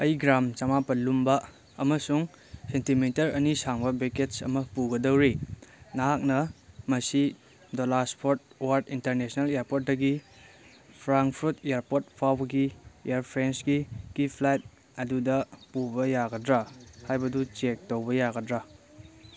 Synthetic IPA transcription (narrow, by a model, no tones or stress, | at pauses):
ɐjɡɾamt͡ʃɐmapɐlumbɐ | ɐmɐsuŋ | sentimitɐɾɐnisaŋbɐbeketsɐ̰mɐpuɡɐdɐwɾinaɦak̚nɐmɐsi | dolaspʰoɾt̚owaɾtintɐɾnesnɐlejeɾpot̚dɐɡi | pʰɾaŋkpʰuɾteaɾpot̚pʰawbɐɡiḛaɾpʰɾensɡikipʰlajt̚ | ɐdudɐpubɐjaɡɐdɾahajbɐdut͡ʃek̚towbɐjaɡɐdɾa